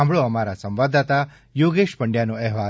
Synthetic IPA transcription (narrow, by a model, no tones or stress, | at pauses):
ãmbɭoəmaɾasə̃mʋad̪at̪a | joɡeʃpəɳɖjanoɛɦʋa